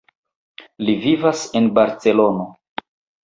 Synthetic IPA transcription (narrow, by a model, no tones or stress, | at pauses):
livivase̞nbaɾt͡se̞lo̞no